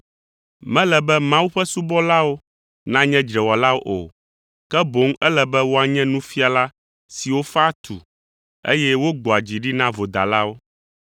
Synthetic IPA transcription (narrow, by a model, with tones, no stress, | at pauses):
mɛ̃˦lɛ˨bɛ˦mã˦wu˦ɸɛ˦su˦bɔ˦la˦wo˦ | nã˦ɲɛ̃˦d͡ʒɾɛ˨wɔ˨la˦wo˦ʔo̰˨ | kɛ˦bo˦ŋɛ˦lɛ˦bɛ˦wo˦a˨ɲɛ̃˦nũ˦fi˦a˨la˦ | si˨wo˦fa˦t̪ʰṵ˨ | ḛ˦jɛ˦wo˦ɡ͡bɔ˨a˨d͡ʑi˨ɖi˦nã˦vo˨d̪a̰˨la˦wo˦